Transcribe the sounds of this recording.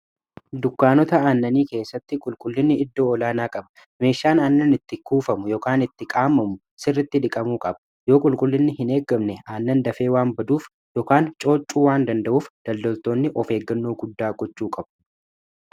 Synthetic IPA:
d̪ʊkːaːnɔt̪ɐaːnːɐniːke̞ːsːɐt̪ːɪkʼʊlkʼʊlːɪnːɪɪd̪ːo̞ːɔlaːnaːkʼɐbɐ̥ | me̞ːʃːaːnaːnːɐnɪt̪ːɪkuːfɐmʊjoːkaːnɪt̪ːɪkʼaːmːɐmʊ | sɪrːɪt̪ːɪᶑ̪ɪkʼɐmuːkʼɐbɐ̥ | jo̞ːkʼʊlkʼʊlːɪnːɪhɪne̞ːɡːɐmnɛaːnːɐnd̪ɐfe̞ːwaːmbɐd̪uːf | jɔːkaːnt͡ʃʼo̞ːt͡ʃʼuːwaːnd̪ɐnd̪ɐʔuːfd̪̥ɐld̪ɔlt̪o̞ːnːɪʔɔfe̞ːɡːɐnːo̞ːɡʊd̪ːaːɡɔt͡ʃːuːkʼɐbʊ̥

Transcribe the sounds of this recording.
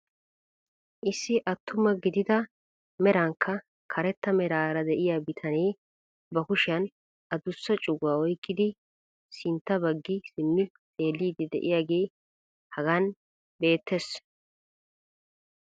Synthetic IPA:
ʔɪsːɪʔɐt̪ʰːʊmɐɡɪd̪ɪd̪ɐ | mɛɾɐŋkʰːɐ | kʰɐɾɛt̪ːɐmɛɾaːɾɐd̪ɛʔɪjaːbɪt̪ʰɐneː | bɐkʊʃɪɐn | ɐd̪ʊsːɐt͡ʃʼʊɡːaːɔjkʼːɪd̪ɪ | sɪnt̪ːɐbɐɡːɪsɪmːɪ | t̪ʼe̞ːlːiːd̪ɛd̪ɛ̰ʔɪjaːɡe̞ː | hɐɡan | be̞ːt̪ʰːes

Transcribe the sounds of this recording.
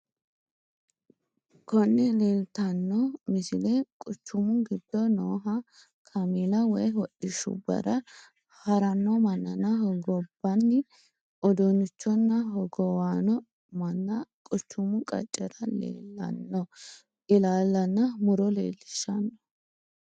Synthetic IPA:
kʰɔnːɛle̞ːlt̪ɐnːɔmɪsɪlɛkʼʊt͡ʃːʊmʊɡɪd̪̥ːɔnoːɦɐ | kʰɐmilɐwɛjwɔɗːɪʃʊ̰bɐ̰ɾɐ | hɐɾɐnːɔmɐnːɐnɐhɔɡɔbːɐnːɪ | ɔd̪ɔnʊt͡ʃːɔnːɐɦɔɡɔwaːnɔ | mɐnːɐkʼʊt͡ʃːʊmʊkʼɐ̰t͡ʃʼːɛɾɐlḛːlːɐ̰nːɔ | ʔɪlaːlːɐnːɐmʊɾɔlḛːlːɪʃːɐnːɔ

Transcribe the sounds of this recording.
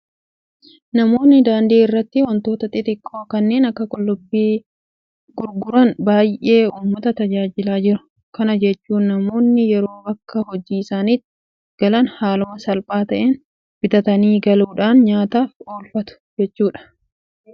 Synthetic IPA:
nɐmo̞ːnːɪd̪aːnd̪iːɪrːɐt̪ːɪwɐnt̪o̞ːt̪ɐt̪ʼɪt̪ɪkʼːoːkɐnːe̞ːnɐkːɐkʼɔlːʊbːiː | ɡ̥ʊɾɡʊɾɐnbaːjʔe̞ːuːmːɐt̪ɐt̪ɐd͡ʒaːd͡ʒɪlaːd͡ʒɪɾʊ̥ | kɐnɐd͡ʒɛt͡ʃːuːnːɐmo̞ːnːɪjɛɾo̞ːbɐkːɐhɔd͡ʒiːɪsaːniːt̪ː | ɡ̥ɐlɐnhaːlʊmɐsɐlpʼaːt̪ɐʔeːn | b̥ɪt̪ɐt̪ɐniːɡɐluːᶑaːnɲaːt̪aːfoːlfɐt̪ʊ̥d͡ʒɛt͡ʃːuːᶑɐ̥

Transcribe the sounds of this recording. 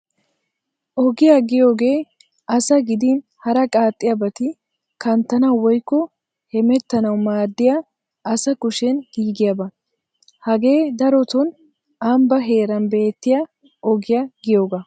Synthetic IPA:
ʔɔɡɪjaɡɪjo̞ːɡe̞ː | ʔɐsɐɡɪd̪ɪ | hɐɾɐkʼaːt̪ʼːɪjabɐt̪ɪ | kɐnt̪ːɐnɐwɔjkːɔ | hɛmɛt̪ːɐnɐwmaːd̪ːɪja | ʔɐsɐkʊʃɛnɡ̥iːɡɪjɐbɐ | hɐɡe̞ːd̪ɐɾɔt̪ɔn | ambɐɦe̞ːɾɐnbe̞ːt̪ːɪja | ʔɔɡɪjaɡɪjo̞ːɡɐ

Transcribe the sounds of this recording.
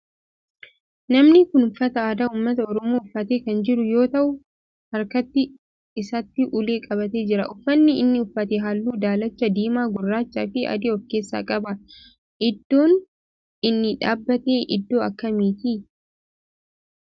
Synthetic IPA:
nɐmnɪkʊnʊfːɐt̪ɐaːd̪aːuːmːɐt̪ɐɔɾɔmoːʊfːɐt̪eːkɐnd͡ʒɪɾʊjo̞ːt̪ɐʔʊ | hɐɾkɐt̪ːɪ | ɪsɐt̪ːɪʔʊle̞ːkʼɐβɐt̪e̞ːd͡ʒɪɾɐ̰ʔʊfːɐnːɪɪnːɪʊfːɐt̪ɛɦɐlːuːd̪aːlɐt͡ʃːɐd̪iːmaːɡʊrːaːt͡ʃːa̰ːfɪɐ̰d̪ɪɔfke̞ːsːa̰ːkʼɐbɐ | ʔɪd̪ːo̞ːn | ɪnːɪᶑaːbːɐt̪e̞ːʔɪ̰d̪ːo̞ːɐkːɐmiːt̪iː

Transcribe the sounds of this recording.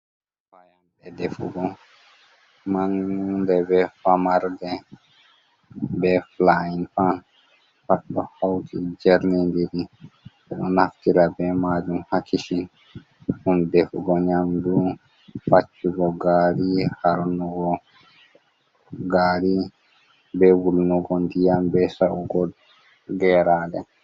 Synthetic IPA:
bajɔnbɛd̪ɛfṵɡɔ | maŋdɛbɛfamaɾd̪ɛ | bɛflainpʰan | patɔhawt̪ʰid͡ʒɛɾnɛnd̪iɾi | uʔɔnaft̪iɾabɛmad͡ʒumhakʰiʃin | ʔundɛfuɡɔɲamdu | fat͡ʃːuɡɔɡaːɾihaɾnuɡɔ | ɡaːɾi | bɛwulnuɡɔndijambɛsaʔuɡɔd | ɡɛɾaːdɛ̰

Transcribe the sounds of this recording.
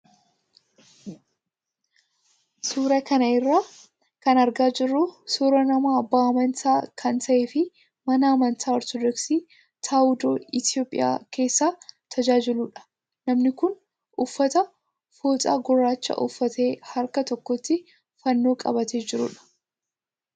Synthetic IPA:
suːɾɐkɐnɐɪrːaː | kɐnɐɾɡaːd͡ʒɪrːʊsuːɾɐnɐmaːɐbːaːɐmɐnt̪aːkʰɐnt̪ʰɐeːfɪ | mɐnɐːmɐnt̪ʰaːɔɾt̪ɔd̪ɔksiː | t̪ʰaːʊd̪oːɪt̪jo̞ːpʼːɪ̰ja̰ːkʰe̞ːsːaːt̪ʰɐd͡ʒaːd͡ʒɪluːᶑɐ̥ | nɐmnɪkʊn | ʔʊfːɐt̪ɐ | foːt̪ʼa̰ːɡʊrːaːt͡ʃːɐ̰ʔʊ̰fːɐt̪e̞ːhɐɾkɐt̪ɔkːɔt̪ːɪ | fɐnːo̞ːkʼɐ̰bɐt̪eːd͡ʒɪɾʊ̰ᶑɐ̥

